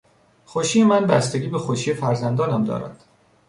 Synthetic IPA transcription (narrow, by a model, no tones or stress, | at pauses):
xoʃiːjemænbæst̪e̞ɡʲiːbexoʃiːjefæɾzænd̪ɒːnæmd̪ɒ̰ːɾæ̰nd̪̥